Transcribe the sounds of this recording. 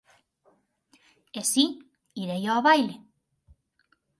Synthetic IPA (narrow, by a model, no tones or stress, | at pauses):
esi | iɾejoːβajle